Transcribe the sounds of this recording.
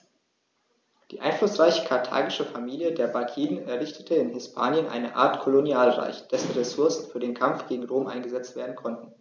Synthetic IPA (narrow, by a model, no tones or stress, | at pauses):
d̥iːʔaɪnflʊsʁ̥aɪçə̥kʰaɐtʰa̰ːɡɪʃəfamiːljədeːɐbakʰiːnənɛɐʁɪçtʰə̥tʰəɪnɦɪspʰa̰ːnjənʔa̰ɪnəʔa̰ːɐtkʰolonjaːlʁa̰ɪçd̥ɛsn̩ʁesʊɐsn̩fyːɐdeːnkʰamfɡ̥eːɡŋ̩ʁoːmʔa̰ɪnɡəzɛt͡stv̥eːɐdn̩kʰɔntn̩